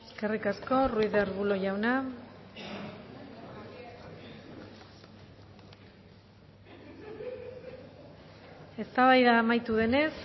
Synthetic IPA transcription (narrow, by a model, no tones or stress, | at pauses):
eske̞rikasko̞ruiðeɾβulo̞ʝawna | e̞st̪aβajðaːmajt̪uðe̞ne̞s